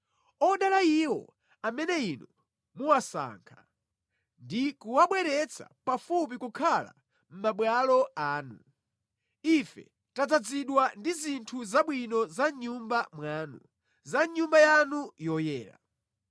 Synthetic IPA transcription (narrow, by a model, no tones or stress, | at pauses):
ɔɗalaiwɔ̰ | amɛnɛinɔ | muwasa̰ːŋkʰḁ | ndikuwaɓwɛɾɛt͡sʰa̰pafup̬ikukʰala̰ | m̩maɓwalɔaːnu | ifɛ̰ | tad͡zad͡ziɗwandizintʰuzaɓwinɔzaɲumbamwaːnu | zaɲumbajanujɔjɛːla̰